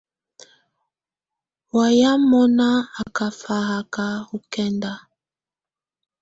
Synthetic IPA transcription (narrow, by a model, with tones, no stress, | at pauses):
wa˨ja˦mɔ˦na˦a˨ka˨fa˨ɣa˨ka˦u˦kɛ˦nda˦